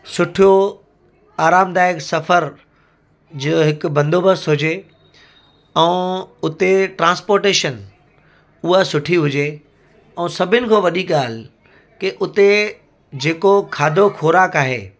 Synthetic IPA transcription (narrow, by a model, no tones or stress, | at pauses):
sʊʈʰijo | aːɾaːmd̪aːɪksɐfəɾ | d͡ʑiɦɪkʊbɐ̃nd̪ʱoːbəsɦʊd͡ʑe | ɛ̃ːʊt̪eʈɾãːnspoːɾʈeːʃən | ʊɦasʊʈʰiɦʊd͡ʑe | ɛ̃ːsɐbʱɪnɪ̆kʰõːʋɐɗiɠaːl̤ | kɪʔʊt̪e | d͡ʑeːkokʰaːd̪ʱokʰoːɾaːkaːɦḛː